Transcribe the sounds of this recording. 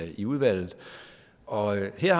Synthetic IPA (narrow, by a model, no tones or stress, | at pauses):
iuð̞ˠʋæl̰ð̩ˠ | ɒ̽ɦeɐ̰h